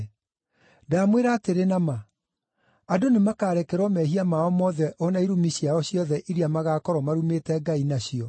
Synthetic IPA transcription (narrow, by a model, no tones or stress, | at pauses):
daːmweɾaːteɾenama | adonemakaːɾɛkɛɾwɔmɛɦiamaɔmɔːðɛʔɔnaiɾomiɕiaɔɕjɔðɛʔiɾiamaɣaːkɔɾɔmaɾumetɛɡainaɕiɔ